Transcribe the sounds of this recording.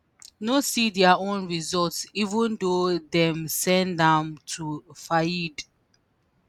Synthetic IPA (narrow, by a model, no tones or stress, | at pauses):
nosidɛaõnɹizɔltsivə̃ndodɛ̃msɛ̃ndãmtʰufajid